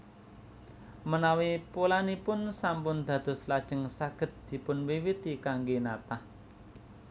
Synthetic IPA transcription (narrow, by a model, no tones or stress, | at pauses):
mənawipulanipʊnsampʊnd̪̥ä̤d̪̥ɔ̤slad̥ʒ̥ə̤ŋsaɡ̥ə̤t̪̚d̪̥i̤pʊnwiwit̪ikaŋɡenat̪ah